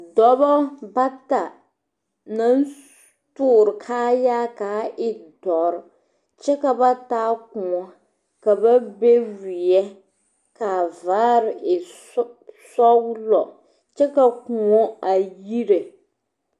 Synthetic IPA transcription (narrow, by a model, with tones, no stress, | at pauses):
dɔ˦bɔ˦ba˦ta˨ | na˦n | tʊː˦˨ɾɨ˨kʰaː˦jaː˦kaː˨˦ʔɪ˦dɔ˨ɾ | t͡ʃɛ˦ka˨ba˦taː˦ku˨ŋɔ˦ | ka˨ba˦be˦wi˨jɛ˦ | ka˨vaː˦ɾɪ˨ɪ˨ | sɔ˦ɡlɔ˨ | t͡ʃɛ˦ka˨ku˨ŋɔ˦a˨ji˦ɾe˨